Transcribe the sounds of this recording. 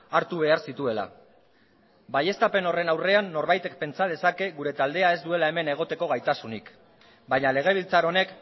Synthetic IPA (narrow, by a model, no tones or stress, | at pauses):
aɾt̪uβ̞e̞aɾsit̪ue̞la̰ | baje̞st̪ape̞no̞re̞nawre̞anːo̞ɾβajt̪e̞k̚pe̞nt͡sað̞e̞sake̞ɣuɾe̞t̪ald̪e̞ae̞zd̪ue̞lae̞me̞ne̞ɣ̞o̞t̪e̞ko̞ɣ̞ajt̪asunik | baɲale̞ɣ̞e̞β̞ilt͡saɾo̞ne̞k